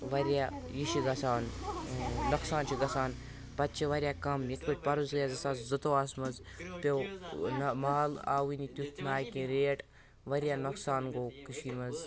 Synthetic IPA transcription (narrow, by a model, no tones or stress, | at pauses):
ʋɐɾʲjajiʃiɡɐsaːn | nɐksaːnt͡ʃʰiɡɐsaːn | pɐt̪̚t͡ʃʰiʋɐɾʲjakɐmjɐk̪piʈ̚ʲpɐɾuzɡjazɐsazzɨt̪oaːsmɐz | pʲownmaːla̰ːwinit̪ʲut̪ʰnaːjkẽɾeːʈ | ʋɐɾʲjanɐksaːnɡoːkiʃiːmɐz